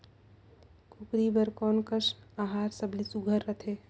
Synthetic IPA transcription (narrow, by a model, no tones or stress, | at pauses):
kʰʊkɾibəɾkɔːnkəʃaːɦaːɾsəblisuɡʱəɾːət̪ʰeː